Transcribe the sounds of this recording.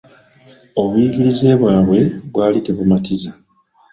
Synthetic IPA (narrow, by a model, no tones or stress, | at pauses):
o̞βujiɡiɾize̞ːβwaːβwe̞βwaːliteβumatiza